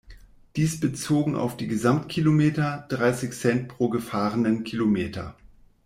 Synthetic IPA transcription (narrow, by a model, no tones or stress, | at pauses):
d̥iːsb̥ət͡soːɡŋ̩a̰ʊfd̥iːɡəzamtkʰilomeːtɐd̥ʁaɪsɪçsɛnt̚pʁ̥oːɡəfaːʁənənkʰilomeːtʰɐ̰